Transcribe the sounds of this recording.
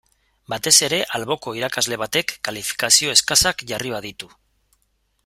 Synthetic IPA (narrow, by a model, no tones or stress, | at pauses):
bat̪e̞se̞ɾe̞ʔalβo̞ko̞iɾakazle̞β̞at̪e̞kːalifi̥kasio̞e̞skasakʝariβaðit̪u